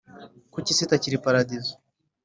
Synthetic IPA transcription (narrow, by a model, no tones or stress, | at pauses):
kut͡ʃisitat͡ʃiɾipaɾad̪izɔ̥